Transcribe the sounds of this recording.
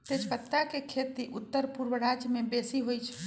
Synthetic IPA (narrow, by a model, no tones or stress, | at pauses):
t̪et͡ʃkət̪ːakekʰet̪iʔut̪ːəɾpuɾwəɾad͡ʒjəmebesiɦojt͡ʃʰɛ